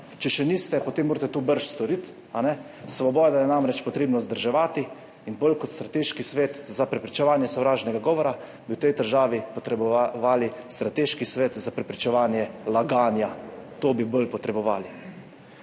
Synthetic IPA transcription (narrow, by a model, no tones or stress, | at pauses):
t͡ʃɛʃɛniːst̪ɛpɔt̪eːmːoːɾt̪ɛt̪obəɾʃst̪ɔɾit̪ | anɛ | sʋɔbɔjd̪ajɛnamɾɛt͡ʃpɔt̪ɾeːbnɔzd̪əɾʒɛʋaːt̪i | inbolkɔt̪st̪ɾat̪eːʃkisʋeːt̪zapɾɛpɾit͡ʃɛʋaːnjɛsɔwɾaːʒnɛɡaɡɔːʋɔɾa | biwt̪ɛjd̪əɾʒaːʋipɔt̪ɾɛbɔʋaːlist̪ɾat̪eːʃkisʋeːt̪zapɾɛpɾit͡ʃɛʋaːnjɛlaɡaːnjat̪oːbibolpɔt̪ɾɛbɔʋaːli